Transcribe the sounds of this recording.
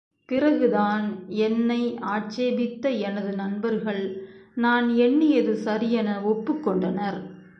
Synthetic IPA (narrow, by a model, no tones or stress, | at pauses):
pɪrɐɣɯðaːnɛnːɐɪaːʈ̚t͡ʃeːbɪt̪ːɐɛnɐðɯnɐnbɐɾɣɐɭnaːnɛɳːɪjɐðɯsɐɾɪjɐnɐɔpːɯkːɔɳɖɐnɐɾ